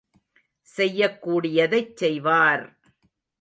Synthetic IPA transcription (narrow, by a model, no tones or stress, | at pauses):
sɛjːɐkːuːɽɪjɐðɐɪt͡ʃːɛjʋaːɾ